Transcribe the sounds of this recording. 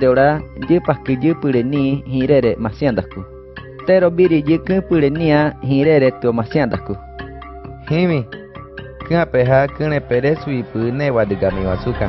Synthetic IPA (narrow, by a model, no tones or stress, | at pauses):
eoɾaɟɨpakɨɟɨpɨɾenĩɦĩɾeɾemãsĩãd̪aku | t̪eɾobiɾiɟɨkɨ̃pɨɾenĩãɦĩɾeɾet̪ɨomãsĩãd̪aku | hĩmĩ | kɨãpeɦakɨ̃ɾ̃ẽpeɾesuipɨnẽwad̪ɨɡamĩwasuka